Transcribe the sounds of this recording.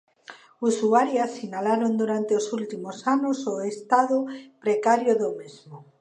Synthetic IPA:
usuaɾjasinalaɾond̪uɾant̪eosult̪imosanosoest̪aðopɾekaɾjoðomezmo

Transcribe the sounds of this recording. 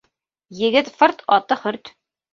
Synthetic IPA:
jɘ̆ɡɘt̪fɤɾt̪ʰɒt̪ɤχɵɾt̪

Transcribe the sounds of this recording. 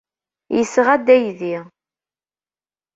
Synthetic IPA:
jəsʁæd̪æjðiʁ

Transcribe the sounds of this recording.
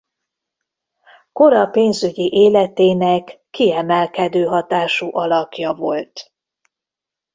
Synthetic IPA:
ko̞ɾɒpeːnzyɟiʔeːlɛt̪eːnɛkːiɛmɛlkɛd̪øːɦɒt̪aːʃuʔɒlɒkjɒvo̞lt̪

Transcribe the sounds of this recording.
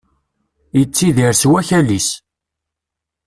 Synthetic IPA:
jət͡sːiðiɾswæçælis

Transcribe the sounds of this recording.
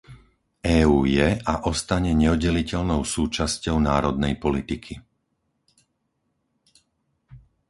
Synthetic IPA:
ʔɛːuːjɛaʔɔst̪aɲɛɲɛɔɟɛlicɛʎnɔʊsuːt͡ʃascɔʊnaːɾɔd̪nɛjpɔlit̪ikʰi

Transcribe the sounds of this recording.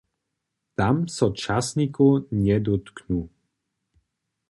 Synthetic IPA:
t̪amsɔt͡ʂasɲikuɲɛd̪ɔt̪knu

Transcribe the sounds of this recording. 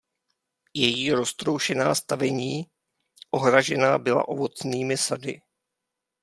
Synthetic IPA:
jɛjiːɾo̞st̪ɾowʃɛnaːst̪avɛɲiː | ʔo̞ɦɾaʒɛnaːbɪla̰ʔo̞vo̞t͡sniːmɪsadɪ

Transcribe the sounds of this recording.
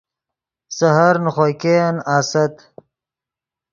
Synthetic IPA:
sɐɦɐɾnχojkenaːsɐt̪

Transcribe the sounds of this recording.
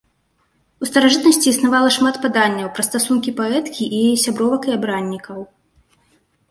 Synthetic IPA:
ust̪ɐɾaʐɨt̪nɐsʲt͡sʲiːsnavalˠɐʂmat̪pad̪anʲːɐwpɾɐst̪asunkʲipaɛt̪kʲiʔijajɛsʲabɾɔvɐkɐjabɾanʲːikɐw

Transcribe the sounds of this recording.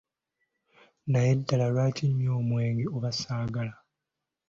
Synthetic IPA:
najedːalalwaːtʰimjo̞ːmweːŋɡeoβasaːɡala

